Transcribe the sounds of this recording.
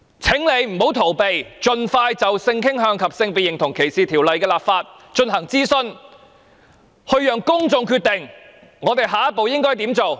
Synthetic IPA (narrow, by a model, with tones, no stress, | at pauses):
t͡sʰɪ˨˥ŋle˨˧jm̩˨˩ho˨˥wt̪ʰo˨˩wpe˨jt͡ʃɵ˧nfaː˧jt͡sɐ˨wsɪ˧ŋkʰɪ˥ŋɦœː˧ŋkʰɐ˨p̚sɪ˧ŋpiː˨t̚jɪ˨˩ŋt̪ʰʊ˨˩ŋkʰe˨˩jsiː˨˩t̪ʰiː˨˩wlɐ˨jkɛː˧laː˨p̚faː˧t̚ | t͡ʃɵ˧nɦɐ˨˩ŋt͡siː˥sɵ˧n | hɵ˧ɥjœː˨˩ŋkʊ˥ŋt͡sʊ˧ŋkʰyː˧t̪ɪ˨˩ŋ | ŋɔː˨˧t̪e˨˩jɦaː˨˧ɐ˥t̚po˨wjɪ˥ŋkɔː˥jt̪iː˨˥mt͡so˨w